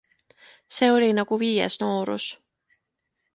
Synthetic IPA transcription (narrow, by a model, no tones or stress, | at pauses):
se̞ːo̞lʲinɑɡ̥uviːjḛsno̞ːɾṵs